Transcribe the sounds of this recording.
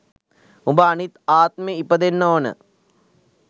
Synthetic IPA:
umbaːnit̪aːt̪̚meipɐd̪enːoːnə̰

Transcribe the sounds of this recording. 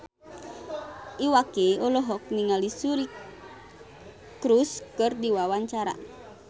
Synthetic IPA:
iwakeɔlɔɦɔk̚niŋalisuɾi | kɾuskɨrdiwawaɲt͡ʃaɾa̰

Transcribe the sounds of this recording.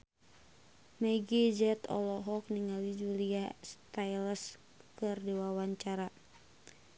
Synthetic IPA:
mɛiɡid͡ʒɛt̪ɔ̰lɔɦɔk̚niŋalid͡ʒuliast̪ajləs | kɨrdewawaɲt͡ʃaɾa

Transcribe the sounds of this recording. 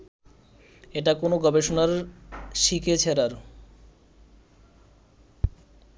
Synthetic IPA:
eʈakonoɡɔbeʃonaɾʃikʰet͡ɕʰeɾaɾ

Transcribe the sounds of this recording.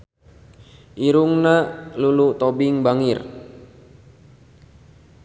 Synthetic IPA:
ʔiɾuŋnalulut̪obɪŋbaŋɪr

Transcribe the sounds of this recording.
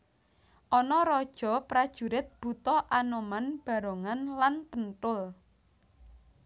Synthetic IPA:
ʔɔnɔɾɔd̥ʒ̥ɔ̤pɾad̥ʒ̥ṳɾɪt̪̚b̥ut̪ɔʔanomanb̥a̤ɾoŋanlanpənt̪ʊl

